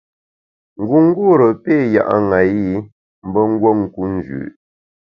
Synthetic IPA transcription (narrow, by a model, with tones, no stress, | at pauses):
ŋ̩˨ɡu˨ŋ̩˦ɡu˦ɾə˨pe˦˨ja̰˨ʔa̰˦ŋa˨ji˦ | m̩˦bə˦ŋ̩˦ɡwo˦ŋ̩˨ku˦n̩˨d͡ʒʉ̰ː˨ʔ